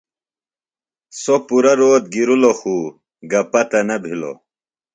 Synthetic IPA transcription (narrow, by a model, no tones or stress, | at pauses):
sopuɾɐɾoːt̪̚ɡiɾuloxuː | ɡɐpɐt̪ɐnɐbʱilo̰